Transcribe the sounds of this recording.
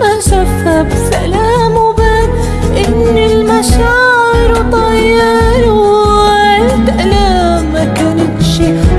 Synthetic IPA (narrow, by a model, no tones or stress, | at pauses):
ʔaʃafabsalaːmbaːn | ʔɪnːɪlmaʃaːʕɪɾt̪ˤɑjːɑɾ | ɪd̪ʔla | makanɪnʃi